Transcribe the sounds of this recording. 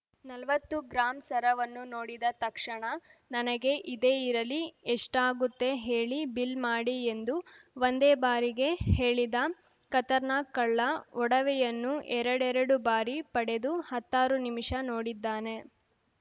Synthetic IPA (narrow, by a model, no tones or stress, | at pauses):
nɐlʋɐt̪ːuɡɾaːmsɐɾɐʋɐnːuno̞ːɽid̪ɐt̪ɐkʂɐɳɐnɐnɐɡe̞ʔid̪e̞ːiɾɐlieʂʈaːɡut̪ːe̞ɦe̞ːɭibilmaːɽiend̪uʋond̪eːbaːɾiɡe̞he̞ːɭid̪ɐ | kɐt̪ɐɾnaːkːɐɭːɐɔɽɐʋɛjɐnːuʔɛɾɐɽɛɾɐɽubaːɾipɐɽe̞d̪uhɐt̪ːaːɾunimiʂɐnoːɽid̪ːaːne̞